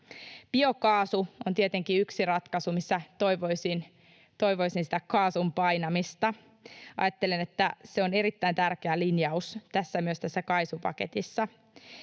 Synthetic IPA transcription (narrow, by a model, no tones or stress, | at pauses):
pio̞kɑːsuont̪iet̪eŋkiyksirɑt̪kɑsumisːæt̪oiʋojsin | t̪o̞jʋo̞isinsi̥t̪ækɑːsumpɑjnɑmist̪ɑ | ɑ̰jɑt̪ːelenet̪ːæseone̞ɾit̪ːæint̪ærkeælinjɑust̪æsːæmyøst̪æsːækɑijsupɑ̰ket̪isːɑ